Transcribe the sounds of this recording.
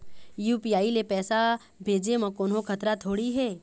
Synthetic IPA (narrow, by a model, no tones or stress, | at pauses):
juːpiaːilepɛːsa | bʱeːd͡ʒemɐ̃koːnɦõkʰɐt̪ɾat̪ʰoːɽiɦɛː